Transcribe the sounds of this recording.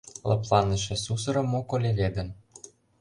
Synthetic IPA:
lɤ̰̆plˠɑnə̆ʃĕsus̬ɤ̆ɾɤ̆mːokolʲeβʲed̪ə̆n

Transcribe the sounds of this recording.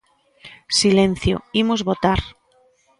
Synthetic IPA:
silẽn̟θjo̰imozβot̪aɾ

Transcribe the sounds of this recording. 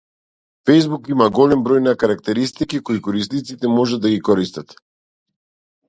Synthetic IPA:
fɛjzbukimaɡɔlɛmbɾɔjnakaɾakt̪ɛɾist̪ikikɔikɔɾist̪nit̪sit̪ɛmɔʒad̪ːaɡikɔɾist̪at̪

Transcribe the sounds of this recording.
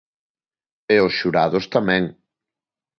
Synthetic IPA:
eosʃuɾaðʊst̪amɛ̃ŋ

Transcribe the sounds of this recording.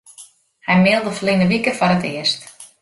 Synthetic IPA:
hɛjmɪlˠdəflinəʋikəfɔɾətɪəst

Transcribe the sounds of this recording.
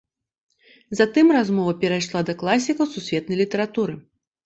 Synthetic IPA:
zat̪ɨmrazmɔvɐpʲɛɾajʂlˠad̪ɐklˠasʲikɐwsusʲvʲɛt̪nɐjlʲit̪ɐɾat̪uɾɨ

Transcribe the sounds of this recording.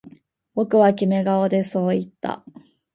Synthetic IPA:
bo̞kɯ̟βakʲime̞ɡaod̪e̞so̞ːit̪ːa̰

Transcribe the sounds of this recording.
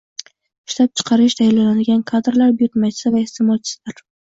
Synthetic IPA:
ɪʃt̪ap̚t͡ʃʰɨ̥qʰɑɾɪʃt̪ʰajlanad̪ɪɡʲankʰad̪ɾlaɾbʊjʊt̪mat͡ʃʰɪ̥sɪvaɪht̪ʰɪmɒt͡ʃʰɪ̥slaɾ

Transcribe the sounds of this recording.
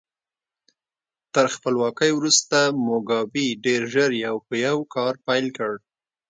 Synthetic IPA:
t̪əɾxpəlwɑkəjwɾust̪amoɡɑbiɖeɾʒəɾjawpəjawkɑɾpajlkəɽ

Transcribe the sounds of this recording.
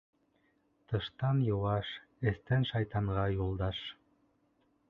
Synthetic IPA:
t̪ɤ̆ʃt̪ɑnjŏwɑʃ | ɘ̆st̪ɘnʃɑjt̪ɑɴʁɑjulˠd̪ɑʃ

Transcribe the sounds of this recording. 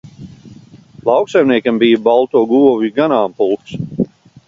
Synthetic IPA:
lˠɑwksajmniɛkambijbalˠt̪uːɡuɔviɡanaːmpulˠks

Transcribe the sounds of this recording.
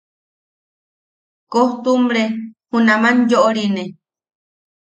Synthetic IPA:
koht̪umbɾehunãmãnjoʔoɾine

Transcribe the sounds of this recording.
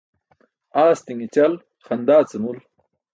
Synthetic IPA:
aːst̪iŋit͡ɕɐl | xɐnd̪aːt͡sɐnul

